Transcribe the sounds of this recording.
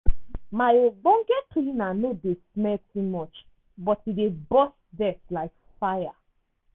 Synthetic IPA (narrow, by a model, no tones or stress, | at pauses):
maoɡ͡bɔ̃ŋɡɛtʰujĩnanodesmɛltumɔt͡ʃ | bɔtidebɔsdɛtlaɪk | faja